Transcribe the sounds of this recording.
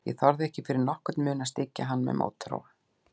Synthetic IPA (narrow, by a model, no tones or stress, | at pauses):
jɛ̰ɣθɔɾðɪɛhcɪfɪɾɪɾnɔhkʏt̪nmʏːnast̪ɪcːaɦanːmɛ̰ðmʔo̰ːwt̪ʰːɾo̰ːwva